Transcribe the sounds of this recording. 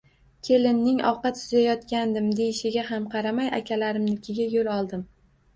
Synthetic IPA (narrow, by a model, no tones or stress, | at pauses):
kʲʰe̞lɪnːɪŋɒ̰wqɑt̪sʊzajɒt̪kʲand̪ɪmd̪e̞jɪʃɪɡʲaɦamqʰɑɾamaja̰kʲʰalaɾɪmnɪkʲʰɪɡʲajolˠɒlˠd̪ɪm